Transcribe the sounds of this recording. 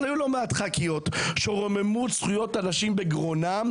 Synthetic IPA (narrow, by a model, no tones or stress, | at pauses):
ajulo̞meat̪χakijo̞t̪ʃoʁme̞musχujo̞tanaʃimbeɡʁonam